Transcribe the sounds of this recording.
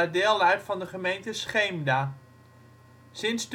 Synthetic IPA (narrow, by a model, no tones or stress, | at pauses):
ədɪːlˠɛjtfɑndəχəmejntəsχejmdaː | sɪnsd